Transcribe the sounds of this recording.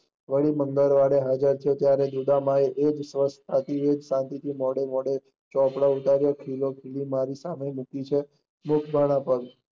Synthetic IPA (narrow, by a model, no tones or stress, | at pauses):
ʋəɭiməŋɡ̪əɾʋaɽeɦad͡ʒəɾt̪ʰəjot̪jaɾed̪ud̪amaeʔed͡ʒsʋəspʰat̪iʋed͡ʒsãnt̪it̪ʰimɔɽemɔɽe | t͡ʃɔpɽaut̪aɾjəkʰilokʰilimaɾisamemukit͡ʃʰe | mʊkʰbʱaɽ̃ãpəɡ